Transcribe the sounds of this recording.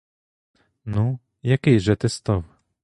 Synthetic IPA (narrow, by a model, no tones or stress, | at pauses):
nu | jakʲɛjʐɛt̪ɛst̪ɔvɛ